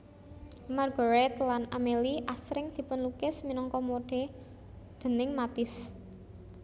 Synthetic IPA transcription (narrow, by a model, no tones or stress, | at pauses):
marɡɔ̤ɾɛt̪lanameliʔasɾɪŋd̪̥i̤pʊnlukɪsminɔŋkɔmoɖ̥e̤ | d̪̥ə̤nɪŋmat̪ɪs